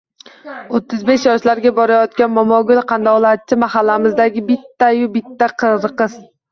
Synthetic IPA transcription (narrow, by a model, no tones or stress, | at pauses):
ot̪ʰːɪzbe̞ʃjɒʃlaɾɡʲabɒɾajɒt̪kʲanmɒmɒɡʊlˠqʰɑnd̪ɒlˠat̪̚t͡ʃʰːɪmahalːamɪzd̪aɡʲɪbɪt̪ːajʊbɪt̪ʰːaqʰɨɾqɨz